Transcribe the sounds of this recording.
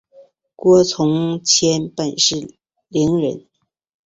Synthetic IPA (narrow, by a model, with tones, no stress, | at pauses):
kwɔ˥t͡sʰʊ˧˥ŋt͡ɕʰjɛ˥npa˥˧nʂɻ̩˥˩ | li˧˥ŋɻə˧˥n